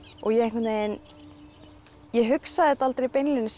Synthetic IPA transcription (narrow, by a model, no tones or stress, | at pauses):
ɔɣjɛẽŋkvɛt̪najn | jɛɦʏksaðɪɛt̪aalt̪ɾejpejnlɪnɪs